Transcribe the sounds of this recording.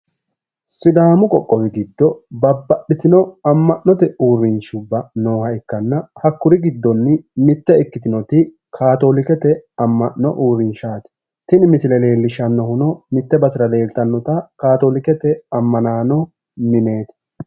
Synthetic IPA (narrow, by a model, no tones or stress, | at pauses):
sɪd̪aːmʊkʼɔkʼːɔwɪɡɪd̪ːɔbɐbːɐɗːɪt̪ɪnɔɐmːɐʔnːɔt̪ɛuːɾːɪnʃʊbːɐno̞ːhɐɛkːɐnːɐhɐkːʊɾɪɡɪd̪ːɔnːɪmɪt̪ːɛɪkːɪt̪ɪnɔt̪ɪ | kʰaːt̪oːlɪkɛt̪ɛɐmːɐʔnɔ̰ʔuːɾːɪnʃaːt̪ɛ̥ | t̪ɪnɪmɪsɪlɛle̞ːlːɪʃɐnːɔhʊnɔmɪt̪ːɛbɐsɪɾɐle̞ːlt̪ɐnːɔt̪ɐkaːt̪oːlɪkɛt̪ɛɐmːɐnaːnɔ | mɪne̞ːt̪